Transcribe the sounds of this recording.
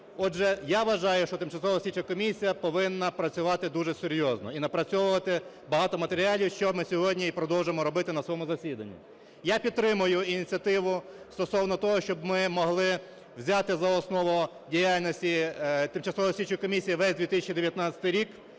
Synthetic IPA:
ɔʒɛjaʋɐʒɑjʊʃt͡ʃɔt̪ɪmt͡ʃɐsɔʋɔsʲit͡ʃɐkɔmʲisʲijɐpɔʋɪnːɐpɾɐt͡sʲʊʋɑt̪ɪd̪uʒɛsʲeɾʲjɔznɔ̰inɐpɾɐt͡sʲɔʋʊʋɐt̪ɪ | bɐɦɑt̪ɔmɐt̪eɾʲɪalʲiwʃt͡ʃɔmɪsʲɔɦɔdʲnʲiipɾɔd̪ɔwʒemɔɾɔbɪt̪ɪnɐsɔjɔmʊzɐsʲid̪ɐnʲːḭ | japʲid̪̚t̪ːɾɪmʊjʊinʲit͡sʲɐt̪ɪʋʊ | st̪ɔsɔwnɔt̪ɔɦɔʃt͡ʃɔbmɪmɔɦlˠɪ | wzʲat̪ɪzɐɔsnɔʋɔ | dʲijalʲnɔsʲtʲit̪ɪmt͡ʃɐsɔʋɔsʲit͡ʃʊjkɔmʲisʲijiʋɛzʲd̪ʋʲit̪ɪsʲɪt͡ʃʲid̪eʋjɐt̪nat͡sʲɐ̥t̪ɪjɾʲik

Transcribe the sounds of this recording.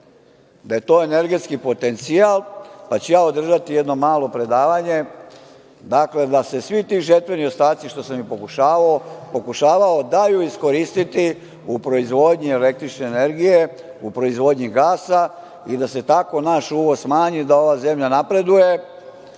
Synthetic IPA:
d̪aje̞t̪o̞ːene̞ɾɡe̞t̪skipo̞t̪e̞nt̪sialˠpat͡ɕujaːo̞d̪r̩ʒat̪ije̞d̪no̞maːlo̞pɾe̞d̪aːʋaɲe̞ | d̪akle̞d̪ase̞sʋit̪iʒert̪ʋe̞nio̞st̪aːt̪siʃt̪o̞samjipo̞kuʃaːʋaopo̞kuʃaːʋao̞d̪ajuisko̞ɾiːst̪it̪i | upɾo̞izʋo̞d̪ɲie̞le̞k̚t̪ɾit͡ʃne̞ːne̞ɾɡije̞ | upɾo̞izʋo̞ːd̪ɲiɡaːsa | id̪ase̞t̪ako̞naʃuːʋo̞zsmaːɲid̪ao̞ʋaze̞mʎanapɾe̞d̪uje̞

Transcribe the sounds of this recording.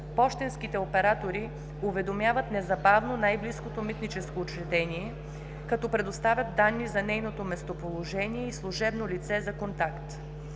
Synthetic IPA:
pɔʃt̪ɛnsk̟it̪ɛopɛɾat̪oɾi | uvɛd̪omjavɐt̪nɛzɐbavnonajbliskot̪omit̪nit͡ʃɛskoːt͡ʃɾɛt̪ɛniɛ | kɐt̪ɔpɾɛd̪ost̪avʲjɐt̪̚d̪anːizɐnɛjnot̪omɛst̪opolˠoʒɛnijɛislˠʊʒɛbnolit̪sɛzɐkont̪akt̪

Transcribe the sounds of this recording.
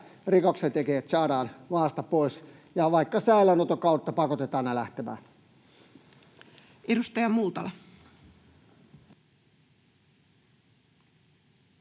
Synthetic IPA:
rikokset̪ekeæt̪sɑːdɑːnʋɑːst̪ɑpoˑis | jɑʋɑikːɑsæˑilænot̪okɑut̪ːɑpɑkot̪et̪ɑːnnelæht̪emæ̰ːn | ʔedust̪ɑjɑmult̪ɑlɑ

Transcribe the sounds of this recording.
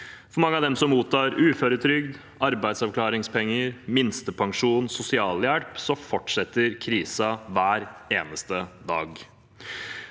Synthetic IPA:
fɔɾmɑŋːəɑʋd̪ɛmsɔmuːt̪ʰɑːɾʉːføːɾət̪ʰɾʏɡd̪ | ɑɾbæɪd̪sɑʋklɑːɾɪŋspʰɛŋːəɾmɪnst̪əpʰɑŋʂuːnsʊsɪɑːljæɽpsɔfɔʈʂɛt̪ːəɾkʰɾiːsɑʋæːɾeːnəst̪əd̪ɑːɡ

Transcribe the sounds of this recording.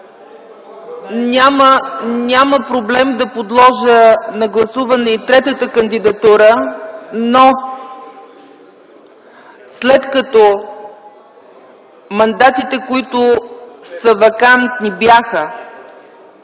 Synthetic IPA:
nʲamənʲaməpɾoblɛmd̪ɐpod̪lˠɔʒənɐɡlˠɐsuvɐnɛit̪ɾɛt̪ət̪əkənd̪id̪ɐt̪uɾə | no | slɛt̪kɐt̪ɔ | mɐnd̪at̪it̪ɛkoit̪ʊsəvɐkant̪nibjaxə

